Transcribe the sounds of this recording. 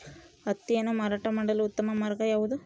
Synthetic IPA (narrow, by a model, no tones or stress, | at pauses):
ɐt̪ːijenɐmaːɾaːʈːɐmɐɳɖɐlʊt̪ːɐmɐmɐɾɐkɐjaːʋɐðɯ